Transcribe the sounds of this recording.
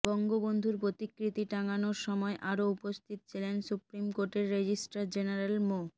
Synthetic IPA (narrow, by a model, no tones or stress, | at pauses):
bɔŋɡobond̪ʱuɾpɾot̪ikːɾit̪iʈaŋanoɾʃɔmɔeʔaɾoupost̪ʰit̪ot͡ɕʰilensupɾimkoɾʈeɾːed͡ʑisʈaɾd͡ʑenaɾelmo